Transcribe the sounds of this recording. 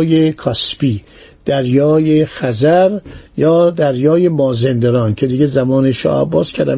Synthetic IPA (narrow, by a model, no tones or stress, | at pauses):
jekʰɒspiː | d̪̥æɾjɒːjexæzæɾjɒːd̪æɾjɒːjemɒːzend̪eɾɒːncʰe̞d̪iɡezæmɒːneʃɒ̰ːhæ̰bːɒːskʰæɾd̪æm